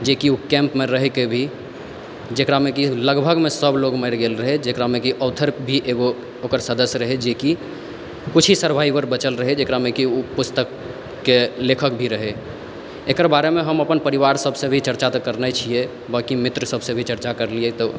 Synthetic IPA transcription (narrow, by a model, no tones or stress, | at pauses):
d͡ʒekiukɛ̃mpmeɾəɦɛkebʱi | d͡ʒekɾamekiləɡbʱəɡmesəbloɡmɛɾɡelɾəɦed͡ʒekɾamekiʔəʊt̪ʰəɾbʱiʔeɡo | okəɾsəd̪əsjɾəɦed͡ʒeki | kut͡ʃʰɦisəɾbʱaibəɾbət͡ʃəlɾəɦed͡ʒekɾamekiupust̪əkː | elekʰəkbʱiɾəɦe | ekəɾbaɾemeɦəməpənpəɾiβaɾsəbʱsẽbʱit͡ʃəɾt͡ʃat̪əkəɾnət͡ʃʰie | bakimit̪ɾəsəbsẽbʱit͡ʃəɾt͡ʃakəɾliet̪ɔ